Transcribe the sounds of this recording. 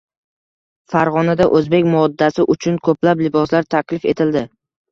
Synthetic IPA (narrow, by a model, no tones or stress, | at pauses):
faɾʁɒnad̪aʔɵzbe̞kʲmɒd̪ːasɪʔʊt͡ʃʰʊnkʰɵplaplɪbɒslaɾt̪ʰakʲlɪfe̞t̪ʰɪld̪ɪ